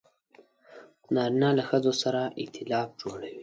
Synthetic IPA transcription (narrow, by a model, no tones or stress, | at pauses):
nɑɾinɑlaxəzosaɾaʔɪ̰t̪ʰɪlɑf̚d͡ʒoɽawi